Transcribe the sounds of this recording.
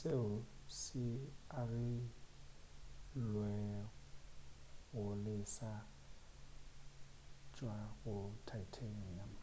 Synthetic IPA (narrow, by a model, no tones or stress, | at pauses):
seʊsɪarɪ | lwɛ | ɣʊlɪsa | t͡ʃʼwaɣʊtʰajtʰania